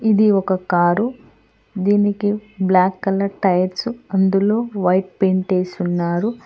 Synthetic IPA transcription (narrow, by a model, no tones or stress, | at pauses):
id̪iɔkɐkaːɾu | d̪iːnikiblaːkːɐlɐɾʈɐjɐɾsɐnd̪ulo̞ːʋɐjʈ̚peɳʈeːsunːaːɾu